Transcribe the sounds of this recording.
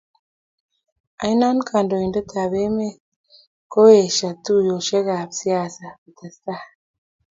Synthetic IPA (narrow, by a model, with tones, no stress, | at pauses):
a˨jna˦n˦kʰa˨ndo˨i˨ndo˦t̪ʰa˨βe˦me˦ | ko˦e˨ʃa˨t̪u˦jo˨ʃe˦ɣa˨bsi˦a˦˨sa˨ki˨t̪a˨st̪a˦